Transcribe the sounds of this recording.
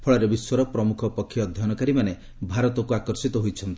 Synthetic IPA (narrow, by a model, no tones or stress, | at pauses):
pʰɔɭɔɾebiswɔɾɔpɾɔmukʰɔpɔkʰːjɔd̪ʱjɔnɔkaɾimane | bʱaɾɔt̪ɔkuakɔɾsit̪ɔɦojt͡ʃʰɔnt̪i